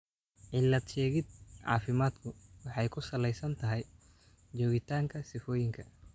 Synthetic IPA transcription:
ʕɪlːɐd̪ʃɛːɣɪd̪̚ʕɑ̰ːfɪmaːd̪kʰʊwɑħɑjkʰʊsɐlɛjsɐnt̪ʰɐɦɛj | d͡ʒɔːɣɪt̪ʰaːŋkʰɐsɪfɔːjɪŋkʰɐ

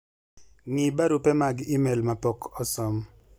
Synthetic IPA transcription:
ŋɪbaɾupɛmaɡimɛlmapɔkʰɔsɔm

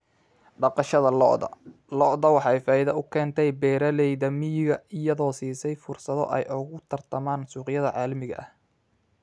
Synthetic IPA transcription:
ɖɑqɑʃɐðɐlɔ̰ʔðɐ̰lɔʔðɐwɑħɑɛjfaːɪðɐʊkʰɛːnt̪ʰɛjbɛːɾɐlɛjðɐmɪjɪɣɐɪjɐðɔːsiːsɛjfʊrsɐðɔ̰ʔɛjʔʊɣʊt̪ʰɐrt̪ʰɐmaːnsuːqjɐðɐʕɑːlɐmɪɣɐ̰ʔɐh

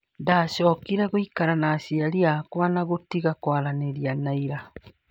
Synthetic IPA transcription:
ndaɕɔːkiɾaɣoikaɾanaːsiaɾiakwanaɣotiɣakwaɾaneɾianaiɾa

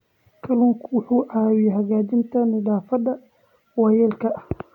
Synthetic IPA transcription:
kʰɐlʊŋkʰwʊħuːʕaːwɪjɛɦɐɣaːd͡ʒɪnt̪ʰɐnɪdaːfɐd̪ɐ | wɑːjɛːlkʰɐɐh

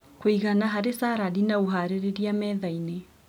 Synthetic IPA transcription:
koiɣanaɦaɾesaɾaɾinaoɦaɾeɾeɾiamɛːðaine

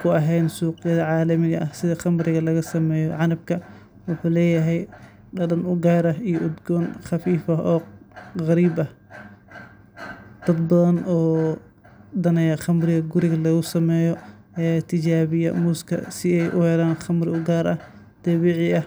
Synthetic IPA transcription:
kʰʊɐɦɛjnsuːqɪjɐðɐʕɑːlɐmɪɣɐʔɐhsɪðɐχɑmɾɪɣɐlɐɣɐsɐmɛːjɔ̰ʕɑnɐb̚kʰɐ | wʊħuːlɛːjɐɦɛj | ɖɐdɐnʊɡaːɾɐɦijɔʊd̪ɡɔːnχɑfiːfɐʔɔːʁɐɾiːbɐh | d̪̥ɐd̪̚bɐðɐnʔɔː | d̪ɐnɛjɐχɐmrɪɣɐɡʊɾɪɣɐlɐɣʊsɐmɛːjɔ | ɛaːt̪ʰɪd͡ʒaːβɪjɐmʊskʰɐ̰sɪɛjʔʊhɛlaːnχɐmɾɪʊɡaːɾɐh | d̪̥ɐβiʕɪʔɐ

